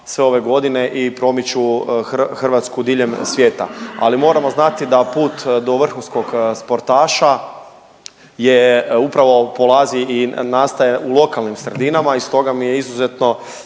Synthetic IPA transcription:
sʋe̞o̞ʋe̞ɡo̞d̪ine̞ʔipɾo̞mit͡ɕu | xr̩ʋat̪skud̪iʎe̞msʋjeːt̪a̰a̰limo̞ːɾamo̞znat̪id̪apuːt̪d̪o̞ʋr̩xunsko̞ɡspo̞ɾt̪aːʃa | jeupɾaʋo̞po̞lˠaːziinaːst̪aje̞ulˠo̞kalˠnimsɾed̪inamaist̪o̞ɡamijeizuze̞t̪no̞

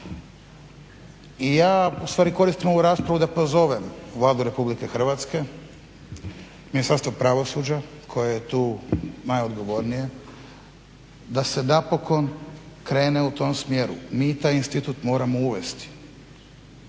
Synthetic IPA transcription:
ijaːust̪ʋaːɾiko̞ɾist̪imouɾaːspɾaʋud̪apo̞zo̞ʋe̞mʋlˠaːd̪uɾe̞publike̞xr̩ʋat̪ske̞ | minist̪aɾst̪ʋopɾaʋo̞sud͡ʑa | kʰo̞jejet̪uːnajo̞d̪ɡo̞ʋo̞ɾnije̞ | d̪ase̞napo̞ko̞nkɾe̞ːneut̪o̞msmje̞ɾumiːt̪aːjinst̪it̪ut̪mo̞ːɾamouʋe̞st̪i̥

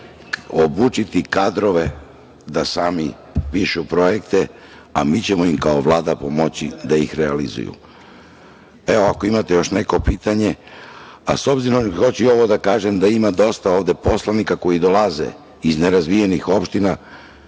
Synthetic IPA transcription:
obuːt͡ʃit̪ikad̪ɾo̞ʋe̞ | d̪asaːmi | piʃupɾo̞je̞kt̪e | a̰mit͡ɕemo̞imkao̞ʋlˠaːd̪apo̞mo̞t͡ɕid̪aixɾealizṵjṵ | e̞oako̞imat̪e̞jo̞ʃne̞ko̞piːt̪aɲe̞ | a̰so̞bziɾo̞mxo̞t͡ɕio̞ʋo̞d̪akaːʒemd̪aimad̪o̞st̪aoːʋd̪e̞po̞slˠanikako̞jid̪o̞lˠaze̞̰ | izne̞ɾazʋije̞nixo̞pʃt̪ina

